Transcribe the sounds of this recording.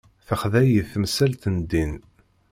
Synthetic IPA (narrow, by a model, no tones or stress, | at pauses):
θəχðæjəθmsælt̪ənd̪in